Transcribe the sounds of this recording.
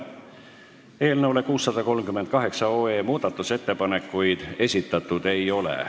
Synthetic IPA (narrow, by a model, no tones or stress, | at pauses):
e̞ːlnəwle̞kuːsːɑd̪̥ɑko̞lmkymend̪̥̚kɑɦe̞ksɑoːeːmuːd̪̥ɑt̪ːˑuse̞t̪ːe̞pɑne̞kːujd̪̥e̞sʲit̪ːˑɑt̪ːˑud̪̥e̞jo̞lḛ